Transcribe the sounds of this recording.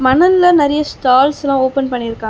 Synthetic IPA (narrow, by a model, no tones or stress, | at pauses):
mɐnɐnlɐnɐɾɐjɐsʈaːlslãːoːpɛnpɐɳːɪɾɯkːãː